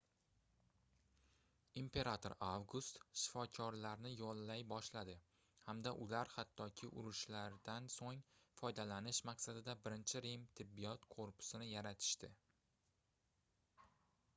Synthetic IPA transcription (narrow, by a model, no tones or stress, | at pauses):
impʰe̞ɾat̪ʰoɾavɡust̪ʃɪ̥fɒkʲʰɒɾlaɾnɪjɒlˠːajbɒʃlad̪ɪ | hamd̪aʔʊlaɾhat̪ʰːɒkʲʰɪʔʊ̰ɾʊʃlaɾd̪ansoŋfɒjd̪alanɪʃmɑqsad̪ɪd̪abɪɾɪnt͡ʃʰɪɾemt̪ʰɪbːijɒt̪qʰoɾpʰʊ̥sɪnɪjaɾat̪ʰɪ̥ʃt̪ɪ